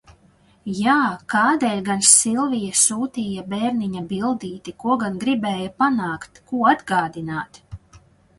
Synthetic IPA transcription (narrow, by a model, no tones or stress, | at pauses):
jaːkaːd̪ɛːlʲɡansilˠvijasuːt̪iːjabeːɾniɲabilˠd̪iːt̪ikuɔɡanɡɾibɛːjapanaːkt̪kuɔad̪ɡaːd̪inaːt̪